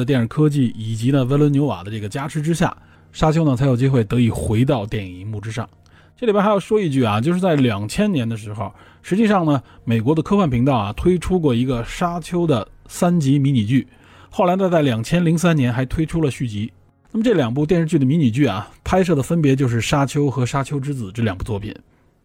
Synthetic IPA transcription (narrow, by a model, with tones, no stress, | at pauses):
ə˩t̪̬jɛ˥˩nɻ̩˨˩kʰɤ˥t͡ɕi˥˩i˨˩t͡ɕi˧˥nə˧e˥ɪlwə˧˥njo˧˥wa̰˨˩d̪ə˦ʈ͡ʂɤ˥˩ɡə˩t͡ɕja˥ʈ͡ʂʰɻ̩˧˥ʈ͡ʂɻ̩˥ɕja̰˥˩ | ʂa˥t͡ɕʰjʊnə˨t͡sʰa˧˥jo˨˩ʊt͡ɕi˥xwe˥˩ɪt̪ɤ˧˥i˨˩xwe˧˥ɪt̪ɑ˥˧ʊt̪jɛ˥˩ni˧˥mu˥˩ʈ͡ʂɻ̩˥ʂɑ̰˥˩ŋ | ʈ͡ʂɤ˥˩li˨˩bxa˥jo˨˩ʊʂwɔ˥i˥˧t͡ɕy˥˩ɐ˩t͡ɕjʊʂɻ̩˥˧t͡sa˥˩ɪljɑ˨˩ŋt͡ɕʰjɛ˥nnjɛ˧˥nd̪ə˧ʂɻ̩˧˥xo˧ʊ | ʂɻ̩˧˥t͡ɕi˥˧ʂɑ˥˩ŋnə˩me˨˩ɪkwɔ˧˥d̪ə˧kʰɤ˥fwa˥˩npʰi˧˥ŋt̪ɑ˥˩ʊɐ̰˩t̪ʰwe˥ɪʈ͡ʂʰu˥k̬wɔ˥˩i˧˥ɡə˧ʂa˥t͡ɕʰjo˥ʊd̪ə˨sa˥nt͡ɕi˧˥mi˧˥ni˨˩t͡ɕy˥˩ | xo˥˩ʊla˧˥ɪt̪a˥˧t̪a˥˩ɪljɑ˨˩ŋt͡ɕʰjɛ˥nli˧˥ŋsa˥njɛ˧˥nxa˧˥ɪt̪ʰwe˥ɪʈ͡ʂʰu˥lə˨ɕy˥˩t͡ɕi˧˥ | na˥˩mə˩ʈ͡ʂɤ˥˩ljɑ˨˩ŋp̬u˥˧t̪̬jɛ˥˧nʂɻ̩˥˧t͡ɕy˥˩d̪ə˩mi˧˥ni˨˩t͡ɕy˥˩ɐ̰˩pʰa˥ɪʂ̬ɤ˥˩d̪ə˩fə˥npjɛ˧˥t͡ɕjo˥˧ʊʂ̬ɻ̩˥˩ʂa˥t͡ɕʰjo˥ʊxɤ˧˥ʂa˥t͡ɕʰjo˥ʊʈ͡ʂɻ̩˥t͡sɹ̩˨˩ʈ͡ʂ̩˥˩ljɑ˨˩ŋpu˥˩t͡swɔ˥˩pʰḭ˨˩˦n